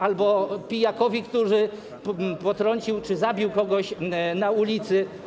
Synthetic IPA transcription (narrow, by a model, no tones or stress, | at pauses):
albɔpʲijakɔvʲikt̪uʐɘ | pɔt̪ɾɔɲt͡ɕiwt͡ʂɘzabʲiwkɔɡɔɕnaulʲit̪sɘ